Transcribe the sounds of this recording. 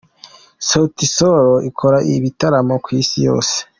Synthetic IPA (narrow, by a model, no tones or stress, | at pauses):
sotisoɾoʔikʰo̞ɾaʔḭβitaɾamokwisijo̞̰ːse̥